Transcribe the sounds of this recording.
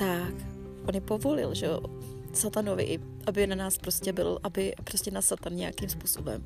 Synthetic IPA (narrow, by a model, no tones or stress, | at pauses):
t̪ak | ʔonjɛpo̞vo̞lɪ̰lʒɛo̰ | sat̪anovɪ̰ʔɪ | ʔabɪnanaːspɾoscɛbɪ̰lʔabɪpɾoscɛnasat̪anɲɛja̰kimspuːsobɛ̰m